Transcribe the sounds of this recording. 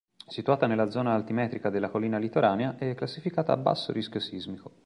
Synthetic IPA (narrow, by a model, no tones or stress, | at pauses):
sit̪uaːt̪anelːad̪zɔːnaːlt̪imɛːt̪ɾikad̪elːakolːiːnalit̪oɾʔaːneaʔɛkːlasːifikaːt̪a̰ːbːa̰sːo̰ɾisk̟josizmiko